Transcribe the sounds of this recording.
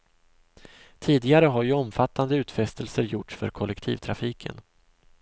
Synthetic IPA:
t̪ʰiːd̪ɪɡaɾəɦaɾjɵɔmfat̪ʰːand̪əʉ̟ːt̪fɛst̪ʰəlsəɾjʊʈʂfœ̰ɾkʰɔlɛkt̪ʰḭːvt̪ʰɾafiːkʰə̰n

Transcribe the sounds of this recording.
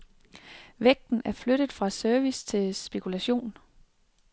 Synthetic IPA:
ʋeɡ̥̚d̥n̩æɐfløɾ̥əð̩ˠfʁɑ̈sœɐʋist͡sʰe̝lsb̥e̝kʰulæɕo̝̰ːn

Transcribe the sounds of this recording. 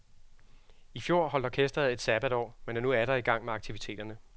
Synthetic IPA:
ifjo̝ɐ̰hɒ̽l̰d̥ɐkʰesd̥ʁɐð̩ˠe̝d̥sæb̥ædɒ̰ːmenæɐnuæɾ̥ɐiɡ̥ɑ̈ŋ̰meɑ̈ɡ̥t͡sʰiʋit͡sʰe̝̰ːd̥ɐnə

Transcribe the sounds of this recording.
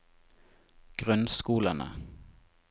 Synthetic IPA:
ɡ̥ʁʉnskuːlanə̰

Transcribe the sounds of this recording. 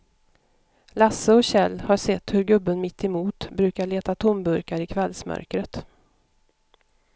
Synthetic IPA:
lasːəɔɕɛlːhaʂɛt̪ːhɵɾɡɵbːənmɪt̪ːɛmuːt̪bɾʉ̟ːkaɭeːt̪at̪ʰʊmbɵɾkaɾɪkʰvɛlːsmœ̰ɾkɾət̪

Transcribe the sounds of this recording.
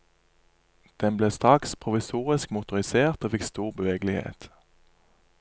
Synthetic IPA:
d̪̥ɛnbleːst̪ʁɑkspʰʁʊʋɪsuːʁɪskmʊt̪ʊʁɪseːʁt̪oːfɪkst̪uːʁbəʋeːɡlɪhḛːt̪

